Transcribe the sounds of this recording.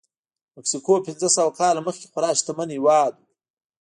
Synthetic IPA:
meksikoːpɪnzəsɐwakɑlaməxkʲe̥xaɾɑːʃt̪aməniwɑːd̪u

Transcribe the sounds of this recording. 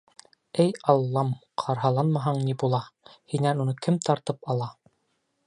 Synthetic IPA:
ɘjɑlˠːɑmqʰɑɾɦɑlˠɑnmɑɦɑɴnibulˠɑhinænunɤkɘmt̪ʰɑɾt̪ɤpɑlˠɑ

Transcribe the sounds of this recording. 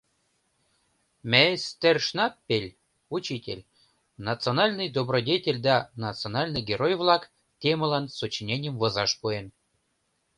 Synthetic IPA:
mʲesʲt̪ʲerʂnɑpːelʲ | ut͡ɕitʲḛlʲ | nɑt̪t͡sɨonɑlʲnɨjd̪obrodʲetʲelʲd̪ɑnɑtt͡sɨonɑlʲnɨjɡʲeɾojvlˠɑk | tʲeməlˠɑnsut͡ɕinʲenʲemvɤ̆zɑʃpuen

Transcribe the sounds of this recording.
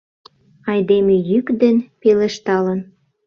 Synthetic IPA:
ɑjd̪emejykd̪ənpelĕʃt̪ɑlən

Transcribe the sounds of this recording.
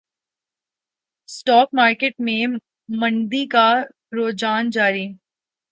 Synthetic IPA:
sʈɔːk̚maːɾkeʈmẽ | mɐ̃ɳd̪ika | ɾoːd͡ʒaːnd͡ʒaːɾi

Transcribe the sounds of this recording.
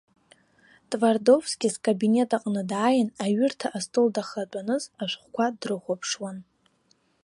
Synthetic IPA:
tʼvardo̞vsɡʲizkʼabine̞tʼaqʼnɨdaːjɪnaɥʏrtʰaʔastʼɨldaχat͡pʷʼanɨzaʃʷχʷkʷʰadrɨχʷapʰʂwan

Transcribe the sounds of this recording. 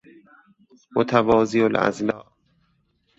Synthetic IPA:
mot̪ʰævɒːziolʔæ̰zlɒːʔ

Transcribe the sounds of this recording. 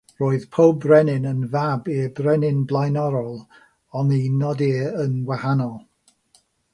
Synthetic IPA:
roːɨð̥pʰowbrɛnɪnənvabibrɛnɪnblˠajnɔɾɔlˠ | ɔninɔdɪənɡwahanɔlˠ

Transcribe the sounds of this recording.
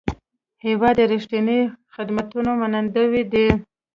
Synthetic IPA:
hewɑd̪əɾiʂʈinixɪd̪mat̪unomanand̪əwid̪ə

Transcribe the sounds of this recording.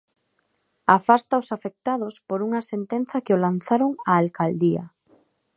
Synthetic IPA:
afast̪aosafek̚t̪að̞ospoɾuŋɐsent̪en̟θɐkeolan̟θaɾoŋaːlkald̪ia̰

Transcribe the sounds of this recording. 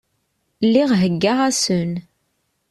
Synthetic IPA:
lːiʁɦəɡːaʁæsən

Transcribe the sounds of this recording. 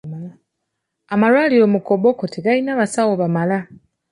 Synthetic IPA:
amalwaːlijo̞ːmuko̞bokotʰeɡalinaβasawoβamala

